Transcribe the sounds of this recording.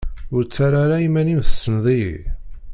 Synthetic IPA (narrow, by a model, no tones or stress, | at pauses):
ʊɾt͡sːaɾaɾaimæninθə̥sːənðˤḭ